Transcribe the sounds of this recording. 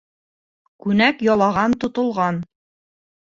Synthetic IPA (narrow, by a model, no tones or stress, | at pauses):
kʉnækjɒlˠɑʁɑnt̪ŏt̪ŏlˠʁɑn